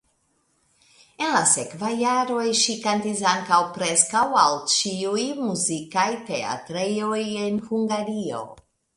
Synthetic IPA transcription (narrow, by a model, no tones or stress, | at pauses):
e̞nlase̞kvajːaɾo̞jʃikantisaŋkawpɾe̞skawalt͡ʃiujmuzikajte̞a̰tɾejoje̞nhuŋɡaɾio̞̰